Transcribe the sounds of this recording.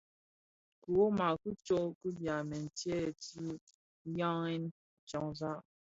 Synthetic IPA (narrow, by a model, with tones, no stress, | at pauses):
ku˨o˦ma˨ku˦t͡ʃo˦ʔku˦bja˨mɛ˨n̩˨tɛ˦˨ti˦ | ja˦ŋɛ˦n˨ | t͡ʃɔ˦ŋza˦